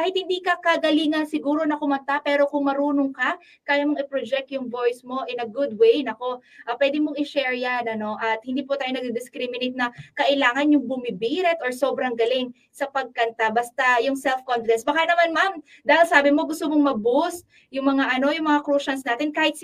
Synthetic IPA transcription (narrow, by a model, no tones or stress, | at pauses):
kaːhɪt̪̚hɪnd̪iːkɐkɐɡɐliːŋɐnsɪɡuːɾo̞nɐkʊmɐnt̪apɛɾo̞kʊŋmɐɾuːnoŋka | kaːjamoŋɪpɾod͡ʒɛk̚t̪jʊŋvo̞jsmo̞ʔɛnɐɡʊd̪̚wejnɐko̞ʔɐpwɛːd̪ɪmoŋɪʃɛɹjanɐno̞ʔɐt̪̚hɪnd̪iːpʊt̪aːjonɐɡ̪ɪd̪ɪskɾimɪnejt̪̚nɐkɐʔɪlaːŋɐnjʊŋbʊmibiːɾɛt̪ʔoɹso̞bɾɐŋɡɐlɪŋ | sɐpɐɡ̚kɐnt̪abast̪ajʊŋsɛlfkonfɪd̪ɛnsbɐkanɐmanmam | d̪aːhɪlsaːbɪmo̞ɡʊst̪omoŋmɐbus | jʊŋmɐŋaʔɐno̞jʊŋmɐŋakɾuːʃɐnsnaːt̪ɪnkaːhɪt̪